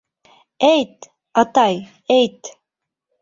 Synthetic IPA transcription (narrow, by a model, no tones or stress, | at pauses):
ejt̪ | ɑt̪ɑj | ejt̪